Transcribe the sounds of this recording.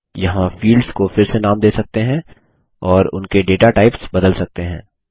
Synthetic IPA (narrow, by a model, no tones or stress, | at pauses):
jɐɦãfiːlɖskofɪɾsenaːmd̪eːsɐk̚t̪eɦɛ̃ | ɔːɾʊ̰nkeɖeːʈaʈaːɪpsbɐd̪əlsɐk̚t̪eɦɛ̰̃ː